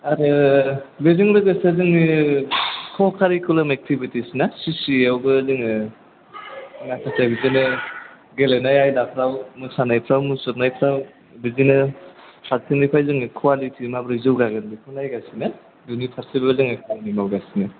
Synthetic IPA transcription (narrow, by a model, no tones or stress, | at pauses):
aɾɯ | beziŋbɯɡasiaziŋni | kʰɔkʰaɾikulamek̚tʰibitisnasisiawbɯːziŋ | ŋakʰasajbizinɯ | ɡelenajajdapʰɾawmusanajpʰɾawmusɔt̚najpʰɾaw | bizinɯsʰaɾtʰenipʰajzɯŋnikʰwalitʰimabɾɯzɯwɡaɡɯnbikʰunajɡasina | junipʰaɾsibzɯŋakʰannimawɡasinɯ